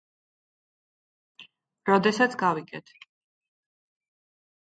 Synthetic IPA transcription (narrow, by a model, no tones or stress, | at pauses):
ɾɔd̪ɛsat̪sʰɡaviɡɛt̪ʰ